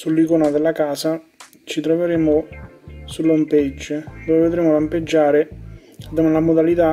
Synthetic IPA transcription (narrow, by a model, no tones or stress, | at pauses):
sulːikoːnad̪elːakaːsa | t͡ʃit̪ɾoveɾeːmʊ | sulːomped͡ʒːd̪oːveved̪ɾeːmolamped͡ʒːaːɾe | ad̪oːmalamod̪alit̪a